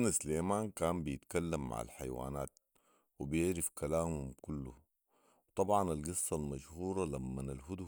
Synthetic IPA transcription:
nasleːmaːnkaːmbɪjɪt̪kalːamːa̰ʕa̰lħa̰jwa̰ːna̰ːt̪̚ | wɪbjɪʕɾɪfkalaːmhumkʊlːu | wt̪ˤɑbʕɑnalɡɨsˤːɑlmaʃhuːɾˤɑlamːanalɦʊd̪u

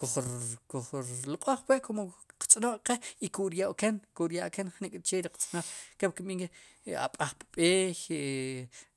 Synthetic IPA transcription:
kuχkuχɾloqʼoχpweʔkomoqt͡sʼnoχqeikuɾjawkenkuɾjaʔkenχnikʼt͡ʃeɾiqt͡sʼnoχkewkiɓiːŋke | a̰ɓʼaχpɓeːx

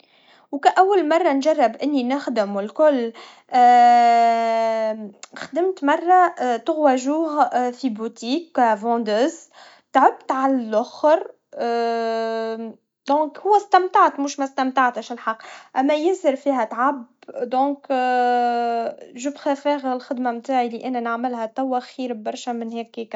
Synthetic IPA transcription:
wkæʔæwːælmɑrˤːɑnʒɑrˤːɑbʔɪnːinɪxd̪əmɪlkʊlː | xd̪ɪmt̪mɑrˤːɑt̪ʊɣwæʒuːɣfibut̪iːkːvɑ̃d̪øːz | t̪ʕʊbt̪ʕalælʔʊxɾ | d̪ɔ̃ːkhʊwːæst̪æmt̪aʕt̪muːʃmæst̪æmt̪aʕt̪əʃɪlħɑqːʔæmːæjɪnsɪɾfiːɦæt̪ʕabd̪ɔ̃ːk | ʒʊbxæfɛːɣɪlxɪd̪mamt̪aːʕiliʔɪnːænəʕmɪlhæt̪æwːæxiːɾbɑɾˤʃæmɪnhɛːkːik

